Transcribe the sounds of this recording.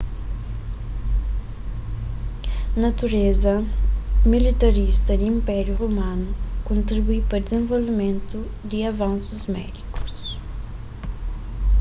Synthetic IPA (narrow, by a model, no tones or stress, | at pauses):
nɐt̪uɾezɐ | milit̪ɐɾist̪ɐd̪ĩmpɛɾjuʁumãnukõnt̪ɾibuipɐɾd̪ɪzẽvolvimẽnt̪u | d̪iɐvɐ̃nsuzmɛ̰d̪iku̥s